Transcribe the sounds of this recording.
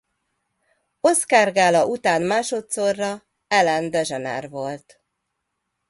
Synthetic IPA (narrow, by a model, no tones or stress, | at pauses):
oskaːrɡaːlɒʔut̪aːnmaːʃo̞t̪sorːɒ | ɛlɛnd̪ɛʒɛnɛ̰rvo̞lt̪